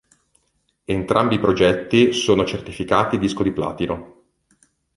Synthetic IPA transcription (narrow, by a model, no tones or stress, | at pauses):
ent̪ɾʔambiːpɾod͡ʒɛt̪ːisoːnot͡ʃert̪ifikaːt̪id̪iskod̪ipla̰ːt̪ino